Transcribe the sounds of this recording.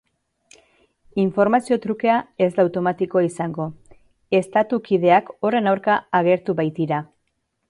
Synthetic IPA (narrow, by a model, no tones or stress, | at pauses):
iɱfo̞ɾmasio̞t̪ɾuke̞ae̞zd̪awt̪o̞mat̪iko̞aisaŋɡo̞ | e̞st̪at̪ukið̞e̞ako̞re̞nawɾkaːɣ̞e̞ɾt̪uβajt̪iɾa